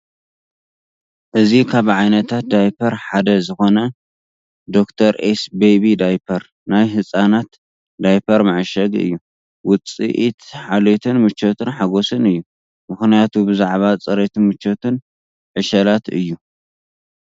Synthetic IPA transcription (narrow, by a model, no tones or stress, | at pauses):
ʔɨzikʰaβʕajnɐt̪ʰat̪̚d̪ajpʰɐɾħad̪ɐzɨxo̞nɐ | d̪o̞kt̪ʰɐɾʔesbeβid̪ajpʰɐɾ | najɦɨsʼanat̪ | d̪ajpʰɐɾmaʕɨʃɐɡɨ̰jːu | wʊt͡sʼḭʔit̪ħalet̪ʰɨnmɨt͡ʃːot̪ʰɨnħaɡo̞sɨnɨjːu | mɨxnijat̪ʰubɨzaʕβat͡sʼɐɾet̪ʰɨnmɨt͡ʃːot̪ʰɨn | ʕɨʃɐlat̪ɨjːu